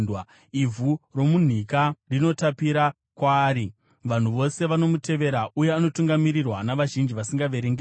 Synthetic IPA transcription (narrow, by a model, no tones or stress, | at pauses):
ivʱuro̞mun̤ikarino̞tapiɾa | kwaːɾi | ʋan̤uʋo̞se̞ʋano̞mute̞ʋe̞ɾaʔuje̞ano̞tuŋɡamiɾirwanaʋaʒind͡ʒiʋasiŋɡaʋe̞ɾeŋɡe